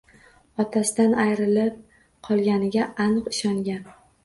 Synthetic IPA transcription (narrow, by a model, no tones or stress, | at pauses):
ɒt̪ʰasɪd̪anajɾɪlɪp̚ | qʰɒlˠɡʲanɪɡʲaanɨqɪʃɒŋɡʲan